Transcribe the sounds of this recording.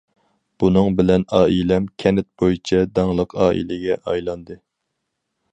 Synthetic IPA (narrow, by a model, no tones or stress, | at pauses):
b̥unɨŋbɪlɛnɑːilɛmkʲʰɛnɪt̪̚bojit͡ʃʰɛd̪ɑŋlˠəqʰɑːʔḭlɪɡʲɛʔɑjlˠɑnd̪ɨ